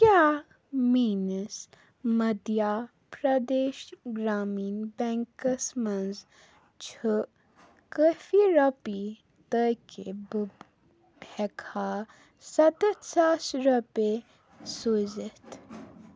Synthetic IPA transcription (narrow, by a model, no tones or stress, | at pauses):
kjaː | miːnəs | mɐd̪ja | pɾɐd̪eːʃɡɾaːmiːnbɛŋkəsmɐnz | t͡ʃʰə | kəfiɾɐpi | t̪əjkeb | bʱɛkʰa | sɐt̪ət̪saːsɾɐpe | sozət̪